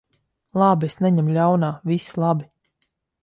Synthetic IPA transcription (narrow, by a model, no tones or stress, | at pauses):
lˠabesnɛɲɛmlʲawnaːvislˠabi